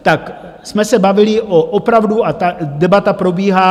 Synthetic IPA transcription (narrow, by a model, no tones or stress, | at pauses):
t̪ak | smɛsɛbavɪlɪʔoʔopɾavduat̪adɛbat̪apɾo̞biːɦaː